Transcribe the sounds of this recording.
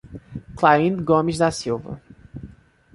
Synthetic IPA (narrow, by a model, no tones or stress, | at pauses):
klaĩnd̪ɡõmiʒd̪asiwvɐ̰